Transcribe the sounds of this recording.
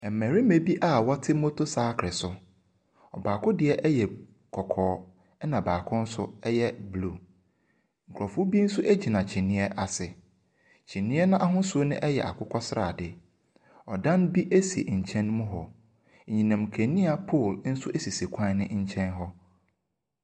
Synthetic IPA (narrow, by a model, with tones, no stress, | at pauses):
ɛ˨m̩˨mæ̃˨ɾi˦me˨bi˦ʔa˦˨wɔ˦tʰɪ˦mo˦tʰo˦saː˦kʰɾɪ˨sʊ˨ | ɔ˨baː˨kʰʊ̃˦dɪ˨˦ɛ˦ʔɛ˦jɛ˨ | kʰɔ˨kʰɔː˨˦ | ɛ˦nã˨baː˨kʰʊ̃˦n̩˦sʊ˦ɛ˦jɛ˦blu˨ | ŋ̩˨kʰɾɔ˨fʊ˦bi˦n̩˦sʊ˦ʔæ˦d͡ʑi˨nã˨t͡ɕʰĩ˨nɪ̃˦ɛ˦ʔa˨sɪ˨ | t͡ɕʰĩ˨nɪ̃˦ɛ˦nã˦ʔa˨ɦʊ̃˦sʊ˦nɪ̃˦ʔɛ˦jɛ˨ʔa̰˨kʰʊ˦kʷʰɔ˦sɪ˦ɾa̰˨dɪ˨ | ɔ˨dã˦nbi˦ʔe˦si˨ḛ˨ɲ̩˨t͡ɕʰɛ̃˦ñ˦mʊ̃˦ɦɔ˨ | ɲĩ˨nã˨m˨kʰæ̃˨nĩ˦a˨pʰo˦˨ln̩˦sʊ˦ʔe˦si˨se˨kʰã˦nɪ̃˦ɲ̩˦t͡ɕʰɛ̃˦nɦɔ˦